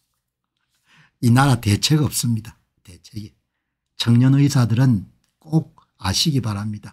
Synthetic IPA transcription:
inaɾate̞t͡ɕʰeɡʌp̚s͈ɯmɲida | te̞t͡ɕʰeɡi | t͡ɕʰʌŋɲʌnɯisʰadɯɾɯn | k͈ok̚ | aɕʰiɡipaɾamɲid̥a

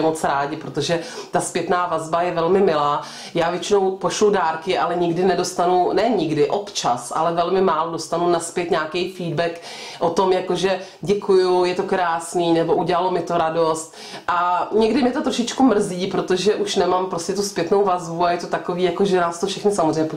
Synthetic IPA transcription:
ɛmot͡sɾaːɟɪpɾot̪o̞ʒɛt̪aspjɛt̪naːvazbajɛvɛlmɪmɪlaː | jaːvjɛt͡ʃɪno̞wpoʃlʊdaːɾkɪʔalɛɲɪɡdɪnɛdo̞st̪anunɛɲɪɡdɪʔopt͡ʃasʔa̰lɛvɛlmɪmaːlodost̪anunaspjɛt̪ɲaːkɛjfiːdbɛk | ʔot̪o̞mjakoʒɛɟɛkʰujujɛt̪o̞kɾaːsniːnɛbo̞ʔuɟɛlalomɪt̪oɾadost̪ | ʔaɲɛɡdɪmjɛt̪ot̪ɾoʃɪt͡ʃkumr̩ziːpɾot̪o̞ʒɛʔuʃnɛmampɾoscɛt̪uspjɛt̪nowvazbuajɛt̪o̞t̪akoviːjakoʒɛnaːst̪ofʃɛxnɪsamozrɛjɲɛpo

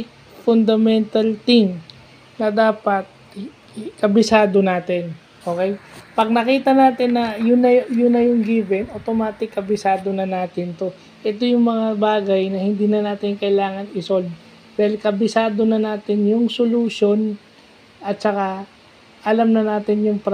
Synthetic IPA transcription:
ɪk | fʊnd̪ɐmɛnt̪ɐlt̪ɪŋ | nɐd̪aːpɐt̪̚ | kɐbɪsaːd̪o̞naːt̪ɪn | ʔo̞ːkɛjpɐɡ̚nɐkiːt̪ɐnaːt̪ɪnːɐjʊnɐjʊnːɐjʊŋɡivɛnʔot̪omaːt̪ɪkːɐbɪsaːd̪o̞nɐnaːt̪ɪnt̪o̞ | ʔɛt̪o̞jʊŋmɐŋabaːɡɐjnɐhɪnd̪iːnɐnaːt̪ɪnkɐʔɪlaːŋɐnɪso̞ld̪̚ | d̪aːhɪlkɐbɪsaːd̪o̞nɐnaːt̪ɪnjʊŋsoluʃo̞n | ʔɐt̪̚t͡ʃɐka | ʔɐlamnɐnaːt̪ɪnjʊŋpɾ

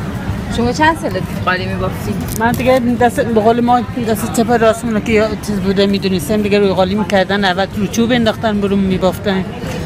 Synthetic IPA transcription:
ʃomɒːt͡ʃʰænd̪sɒlet̪uqɒlimiboft̪imænd̪iɡʲæd̪æst̪beɣoːlemɒːd̪æst̪et͡ʃʰepʰæɾɒsmunɔkejt͡ʃʰiːzbuːd̪æmid̪unest̪æmd̪iɡɛɾujɣɒːlimiːkʲʰæɾd̪ænævælt̪ʰuɾut͡ʃʰubend̪ɒxt̪ænbuɾummiboft̪æn

